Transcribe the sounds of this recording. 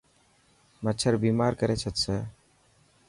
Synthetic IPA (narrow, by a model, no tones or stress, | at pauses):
mətːt͡ʃʰəɾbiːmaːɾkəɾet͡ʃʰət̪sə